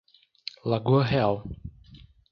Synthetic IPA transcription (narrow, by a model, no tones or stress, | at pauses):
laɡuɦɛl